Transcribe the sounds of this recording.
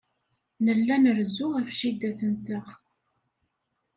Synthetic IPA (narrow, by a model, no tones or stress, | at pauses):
nəlːænəɾzʊʁæfʃid̪æθənt̪əʁ